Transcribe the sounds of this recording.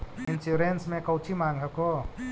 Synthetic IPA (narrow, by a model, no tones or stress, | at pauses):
insuɾensmekawt͡ʃʰimaŋɦako